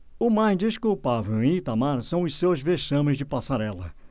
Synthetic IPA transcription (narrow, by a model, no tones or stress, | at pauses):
ʊmajzd͡ʒiskuwpavewẽit̪amaɾsɐ̃w̃ʊssewzveʃɐ̃mɪ̃zd͡ʒɪpasaɾɛlɐ̰